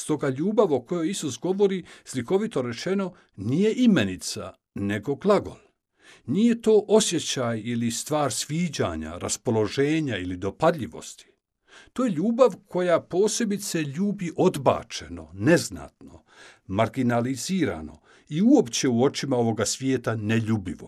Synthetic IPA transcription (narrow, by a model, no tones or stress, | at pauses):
st̪o̞ɡaʎuːbaʋo̞ko̞jo̞jisusɡo̞ʋo̞ɾisliko̞ʋit̪o̞ɾe̞t͡ʃe̞no̞ | nije̞ʔimenit̪sa̰ | ne̞ɡo̞ɡlaɡo̞̰lˠ | nije̞t̪o̞ːʔo̞sje̞t͡ɕajilist̪ʋaːɾsʋiːd͡ʑa̰ːɲa̰ɾaspo̞lo̞ʒe̞ːɲailid̪o̞pad̪ʎiʋo̞̰st̪i̥ | t̪o̞ːje̞ʎuːbaʋkʰo̞japo̞ːse̞bit̪se̞ʎuːbiʔo̞d̪ba̰ːt͡ʃe̞no̰ne̞zna̰ːt̪no̞̰ | maɾɡinaliziːɾa̰no̞̰ | iuo̞pt͡ɕe̞uo̞t͡ʃimao̞ʋo̞ɡasʋjeːt̪aneʎuːbiʋo̰